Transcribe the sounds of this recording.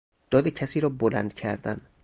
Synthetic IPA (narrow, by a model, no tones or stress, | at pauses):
d̪̥ɒːd̪ecʰæsiːɾɒːbolæ̰nd̪̥cʰæɾd̪æ̰n